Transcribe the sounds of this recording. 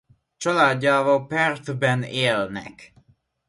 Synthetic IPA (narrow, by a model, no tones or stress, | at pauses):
t͡ʃɒlaːɟːaːvɒlpɛrt̪bɛneːlnɛ̰k